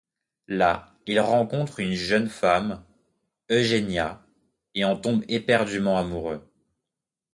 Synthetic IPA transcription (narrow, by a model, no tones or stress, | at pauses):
la | ilʁɑ̃kɔ̃t̪χynʒœnfam | øʒenja | eɑ̃t̪ɔ̃bepɛʁd̪ymɑ̃amuʁø